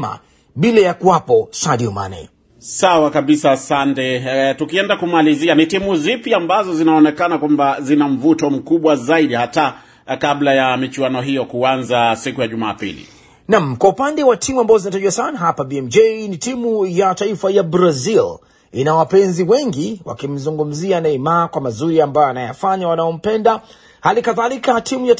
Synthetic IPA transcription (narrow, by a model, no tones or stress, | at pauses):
a̰ | ɓilajakuwapɔsaɗiɔma̰nɛ̰ | sawakaɓisaːsantɛtukiɛndakumalizianitimuzipiambazɔzinaɔnɛkanakwambazinam̩vutɔm̩kuɓwazaiɗihata | kablajamit͡ʃuwanɔɦijɔkuanzasikujaʄumaːpḭlḭ | namkwaupandɛwatʰimuambazɔzinataʄuasanaɦapabiɛmd͡ʒejnitimujataifajabɾazil | inawapɛnziwɛŋɡiwa̰kim̩zuŋɡum̩zianaimakwamazuɾiambajɔanaja̰faɲawanaɔm̩pɛnda | halikaðalikatʰimuja